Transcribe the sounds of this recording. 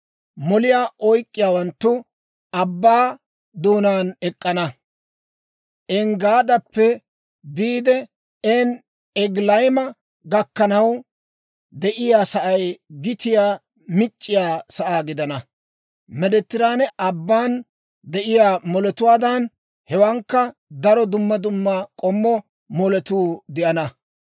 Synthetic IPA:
mɔlɪjaːʔɔjkʼːɪjaːwɐnt̪ːʊ | ɐbːaː | d̪uːnaːnɛkʼːɐnɐ | ʔɛŋɡaːd̪ɐpːɛ | biːd̪ɛ | ɛn | ɛɡlɐjɪmɐ | ɡɐkːɐnɐw | d̪ɛʔɪjaːsɐʔɐjɡɪt̪ɪjaː | mɪt͡ʃʼːɪjaːsɐʔaːɡɪd̪ɐnɐ | mɛd̪ɛt̪ːɪɾaːnɛʔɐbːaːn | d̪ɛʔɪjaːmɔlɛt̪ʊwaːd̪ɐn | hɛwɐŋkːɐd̪ɐɾɔd̪ʊmːɐd̪ʊmːɐkʼɔmːɔ | mɔlɛt̪uːd̪ɪʔɐnɐ

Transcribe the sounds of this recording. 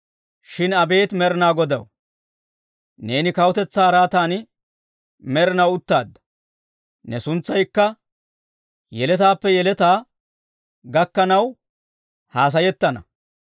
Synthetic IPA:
ʃɪnɐbe̞ːt̪mɛɾɪnaːɡɔd̪ɐw | ne̞ːnɪkɐwʊt̪ɛt͡sːaːɾaːt̪aːn | mɛɾɪnɐwʊt̪ːaːd̪ːɐ̥ | nɛsʊnt͡sːɐjkːɐ | jɛlɛt̪aːpːɛjɛlɛt̪aː | ɡɐkːɐnɐw | haːs̬ɐjɛt̪ːɐnɐ̰

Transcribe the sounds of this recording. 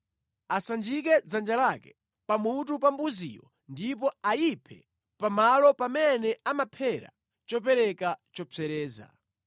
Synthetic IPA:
asand͡ʒikɛd͡zand͡ʒalakɛ̥ | pamutupambuzḭwɔ̰ | ndipɔajipʰɛ | pamalɔpamɛnɛamapʰɛɾa̰ | t͡ʃɔp̬ɛɾɛkat͡ʃɔt͡sɛɾɛːza̰

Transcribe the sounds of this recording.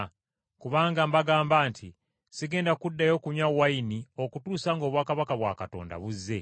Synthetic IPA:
kuβaːŋɡambaɡaːmbaːntʰi | siɡe̞ːndakudːajo̞ːkuɲawainio̞kutuːsaːŋɡo̞ːβwaːkaβakaβwa̰kato̞̰ːnda̰βuzːe̞

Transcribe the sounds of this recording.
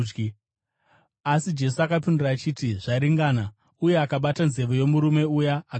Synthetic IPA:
asid͡ʒe̞suakapinduraːt͡ʃitiʐaiɾiŋɡaːna | uje̞akaɓatanze̞ʋo̞je̞muɾume̞ujaː

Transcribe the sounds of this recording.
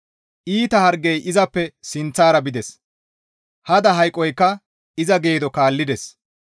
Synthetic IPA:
ʔiːt̪ɐhɐɾɡɛjʔɪzɐpːɛsɪnt͡sːaːɾɐbɪd̪ɛs | hɐd̪ɐɦɐjkʼːɔjkːɐ | ɪzɐɡe̞ːd̪ɔkaːlːɪd̪ɛs

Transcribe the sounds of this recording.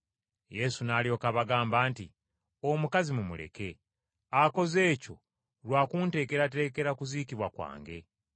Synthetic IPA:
je̞sunaːljo̞ːkaβaɡaːmbaːntḭ | omukazimumṵle̞̰ke̞ | ako̞ze̞ːco̞̰ | lwaːkuːnte̞ːke̞ɾat̬e̞ːke̞ɾakuziːkiβwakwa̰ːŋɡe̞̰

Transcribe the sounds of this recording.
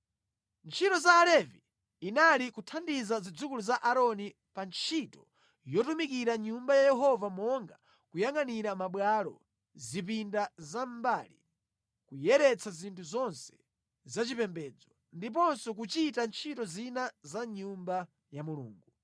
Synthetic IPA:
nt͡ʃʰitɔzaːlɛvi | inalikutʰandizazid͡zukuluzaʔaɾɔni | pant͡ʃʰitɔ | jɔtumikiɾaɲumbajajɛɦɔvamɔŋɡa | kujaŋaniɾamaɓwalɔ̰ | zip̬indazambalḭ | kujɛɾɛt͡sʰazintʰuzɔnsɛ̥ | zat͡ʃipɛmbɛːd͡zɔ | ndip̬ɔnsɔk̬ut͡ʃitant͡ʃʰitɔzinazaɲumba | jamulṵːŋɡu

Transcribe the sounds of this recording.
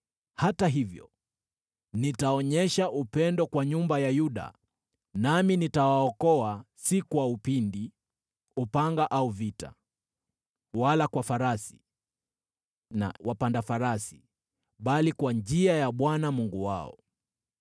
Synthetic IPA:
hataɦivjɔ̰ | nitaɔɲɛʃaʔupɛndɔkwaɲumbajajuɗa̰ | naminitawaɔkɔasikuwaupindi | upaŋɡaʔauvita̰ | walakwafaɾasi̥ | na̰wapandafaɾasi̥ | ɓalikwand͡ʒiajaɓwanamuŋɡuwa̰ɔ̰

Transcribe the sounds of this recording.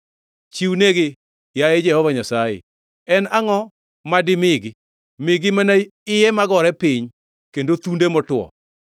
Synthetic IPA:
t͡ʃiwneɡe | jajɛd͡ʒɛhɔvaɲasajḛ | ɛnaŋɔ | madɪmɪɡɪ | mɪɡɪmanaɪjɛmaɡɔɾɛpɪɲ | kendot̪undemɔtwɔ̰

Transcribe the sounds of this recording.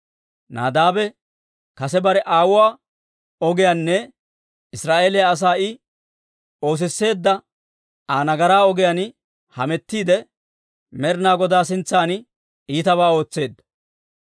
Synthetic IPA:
na̰ːd̪aːbɛ | kɐsɛbɐɾɛʔaːwʊwaː | ɔɡɪjanːɛ | ɪsɾaːʔe̞ːlɪjaːs̬aːɪ | o̞ːs̬ɪsːe̞ːd̪ːɐ | aːnɐɡɐɾaːɔɡɪjɐn | hɐmɛt̪ːiːd̪ɛ | mɛɾnaːɡɔd̪aːs̬ɪnt͡sːaːnɪ | iːt̪ɐβaːo̞ːt͡sːe̞ːd̪ːɐ

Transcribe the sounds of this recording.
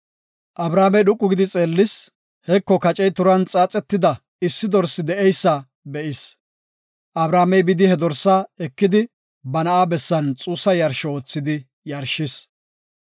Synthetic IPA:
ʔɐbɾaːmɛjɗʊkʼːʊɡɪd̪ɪt͡sʼeːlːɪs | hɛkːɔkɐt͡ʃʼɛjt̪ʊɾɐnt͡sʼaːt͡sʼɛt̪ːɪd̪ɐ | ɪsːɪd̪ɔɾsɪd̪ɛʔɛjsːɐ | bɛʔɪs | ʔɐbɾaːmɛjbɪd̪ɪhɛd̪ɔɾsːaɛkːɪd̪ɪ | bɐnɐaːbɛsːɐnt͡sʼuːsɐjɐɾʃɔoːt͡sːɪd̪ɪ | jɐɾʃɪs

